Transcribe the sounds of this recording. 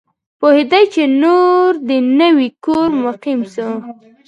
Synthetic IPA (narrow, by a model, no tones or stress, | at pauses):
pohed̪ajt͡ʃenoɾd̪ənəwikoɾmʊqimsu